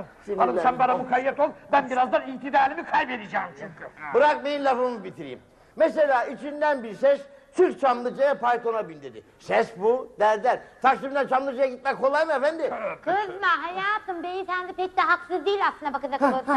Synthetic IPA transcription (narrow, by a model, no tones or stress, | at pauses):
ibaɾaʃambaɾamukʰajːɛt̪olˠbænbiɾazd̪aɾiht̪ʰid̪aːlʲimikʰajbed̪id͡ʒaːmt͡ʃʰuɲcʰybɯɾak̚mejinlʲavɾɯmubit̪ʰiɾḭḭm | mɛs̬e̞lʲaːit͡ʃʰind̪ænbiɾsɛʃt̪ʰyɾt͡ʃʰamlˠɯd͡ʒajapʰaɾt̪ʰo̞nabind̪ed̪ḭ | sɛsbud̪æɾd̪æɾt̪ʰaksimd̪ænt͡ʃʰamlˠɯd͡ʒajaɟit̪̚mɛkʰo̞lˠajmɯefænd̪ɪkʰɯzmaɦajaːt̪ʰɯmbej̪isænd̪ipʰɛc̚d̪ɛɦaksɯzd̪ijːilʲaslɯnd̪abakad͡ʒako